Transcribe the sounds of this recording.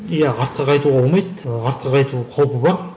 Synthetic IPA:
jæɑɾt̪̚qɑqʰɑjt̪uʁɑolmɑjt̪ɑɾt̪̚qɑqʰɑjt̪uqʰolˠpəbɑɾ

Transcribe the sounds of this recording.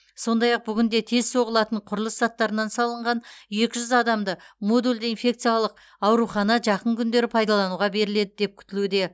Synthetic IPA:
so̞nd̪ɑjɑq̚bʏɡʲʏnd̪e̞t̪ʰe̞zso̞ʁəlˠɑt̪əɴqʰʊɾlˠəszɑt̪ːɑɾənɑnsɑlˠəɴʁɑnje̞kʲɪʒʏzɑd̪ɑmd̪əmo̞d̪ulʲd̪əinfʲe̞kt̪sɨjalˠəq̚ | ɑwɾuχɑnɑʒɑqəŋkʲʰʏnd̪e̞ɾɪpʰɑjd̪ɑlˠɑnuʁɑbe̞ɾɪle̞d̪ɪd̪e̞p̚kʲʰʏ̥t̪ɪlud̪e̞

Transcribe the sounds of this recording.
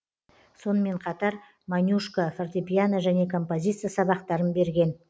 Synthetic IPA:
so̞nəme̞ɴqʰɑt̪ɑɾ | manʲjuʃkəfort̪epʲjanəʒæne̞kʰo̞mpo̞zʲit̪sɨjasɑbɑqt̪ɑɾənbe̞ɾɡʲe̞n

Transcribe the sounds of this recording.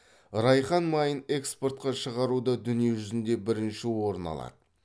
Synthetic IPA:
ɾɑjχɑnmɑjəne̞kspo̞rt̪̚qɑʃəʁɑɾud̪əd̪ʏnijeʒʏzɪnd̪e̞bɪɾɪnʃɪwo̞ɾənɑ̰lˠɑ̰d̪̥ə

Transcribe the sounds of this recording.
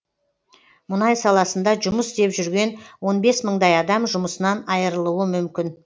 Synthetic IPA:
mʊnɑjsɑlˠɑsənd̪ɑʒʊməst̪e̞pʒʏɾɡʲe̞nwo̞nbe̞sməɴd̪ɑjɑd̪ɑmʒʊməsənɑnɑjəɾəlˠuwəmʏmkʲɪn

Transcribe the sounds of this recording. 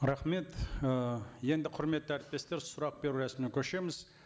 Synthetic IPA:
ɾɑχme̞t̪ | je̞nd̪ɪqʰʊɾme̞t̪ːɪæɾɪt̪̚p̪e̞st̪e̞ɾsʊɾɑq̚be̞ɾuɾæsmekʲʰɵʃe̞mɪz̥

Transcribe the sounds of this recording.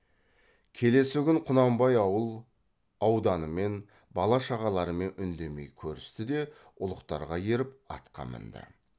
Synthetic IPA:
kʲʰe̞le̞sɪɡʲɪŋqʰʊnɑmbɑjɑwəlˠ | ɑwd̪ɑnəme̞n | bɑlˠɑʃɑʁɑlˠɑɾəme̞nʏnd̪e̞me̞̰jkʲʰɵɾɪst̪ɪd̪e̞ | ʊlˠəqt̪ɑɾʁɑje̞ɾɪp̚ɑ̰t̪qɑ̰mə̰nd̪ə̰

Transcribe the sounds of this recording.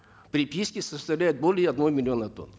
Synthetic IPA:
pɾʲɪpʲiskʲɪsəst̪ɐvlʲæjɪt̪̚bolʲɪjəɐd̪nomʲɪlʲɪonət̪o̰n

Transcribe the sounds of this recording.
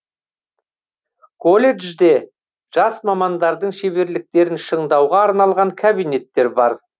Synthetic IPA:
kʰo̞lʲe̞ʒd̪e̞ | ʒ̥ɑsmɑmɑnd̪ɑɾd̪əɴʃe̞βe̞ɾlɪk̚t̪e̞ɾɪnʃəɴd̪ɑwʁɑːɾnɑlˠʁɑŋkʲʰabijne̞t̪ːe̞ɾbɑɾ

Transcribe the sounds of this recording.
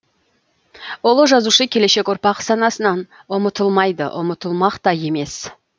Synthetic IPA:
wolˠəʒɑzuʃəkʲʰe̞le̞ʃe̞kʲoɾpɑqsɑnɑsənɑn | ʊmət̪əlˠmɑjd̪ə̰ʔʊ̰mət̪əlˠmɑqt̪ɑje̞me̞s

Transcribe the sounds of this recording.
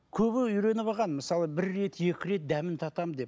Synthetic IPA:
kʲʰɵβɪʏjɾe̞nɪβɑʁɑnmɪsɑlˠəbɪɾːe̞t̪je̞kʲɪɾe̞t̪̚d̪æmɪnt̪ʰɑt̪ɑmd̪e̞p

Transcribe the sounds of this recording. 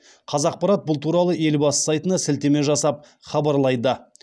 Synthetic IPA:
qʰɑzɑq̚pɑɾɑt̪̚bʊlˠt̪ʰuɾɑlˠəe̞lbɑsə̥sɑjt̪ənɑsɪlt̪e̞me̞ʒɑsɑp̚ | χɑbɑɾlˠɑjd̪ə

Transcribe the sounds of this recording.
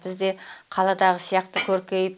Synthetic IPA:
bɪzd̪e̞qʰɑlˠɑd̪ɑʁəsijɑqt̪əkʲʰɵɾkʲe̞jɪp

